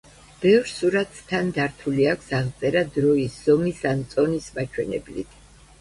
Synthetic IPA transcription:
b̥ɛvɾsuɾat̪ʰːand̪aɾt̪ʰuliakʰsaʁt̪sʼɛɾad̪ɾɔisz̥ɔmisant̪sʼɔnismat͡ʃʰwɛnɛ̰blḭt̪ʰ

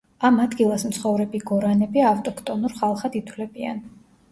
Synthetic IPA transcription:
amad̪ɡilˠasmt̪sʰχɔvɾɛbiɡɔɾanɛbiaft̪ʼɔkʰt̪ʼɔnuɾχalˠχad̪it̪ʰwlɛbia̰n

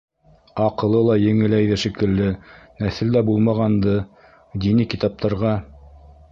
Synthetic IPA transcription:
ɑqɤ̆lˠɤlˠɑjɘ̆ŋɘ̆læjðæʃɘ̆kɘ̆lːɘnæθɘld̪æbulˠmɑʁɑnd̪ɤ | d̪inikit̪ɑp̚t̪ɑɾʁɑ

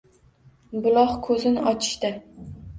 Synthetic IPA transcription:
bʊlˠɒχkʰɵzɪnʔɒt͡ʃʰɪ̥ʃt̪ɪ

